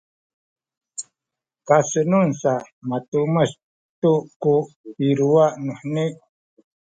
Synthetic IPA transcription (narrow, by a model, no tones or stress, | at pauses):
kasənunsamat̪uməs | t̪uʔkupiɾuaʔnuħniʔ